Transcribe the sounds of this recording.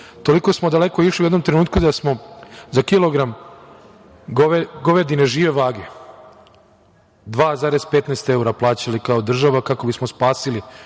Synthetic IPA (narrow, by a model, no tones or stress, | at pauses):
t̪o̞liko̞smo̞d̪ale̞koiʃliujednomt̪ɾenuːt̪̚kud̪asmo̞zakilo̞ɡɾam | ɡoɡoʋed̪ineʒiːʋeʋaːɡe | d̪ʋaːzaːɾe̞zpet̪neːst̪e̞uɾaplˠaːt͡ɕalikaod̪r̩ʒaʋakako̞bismo̞spaːsili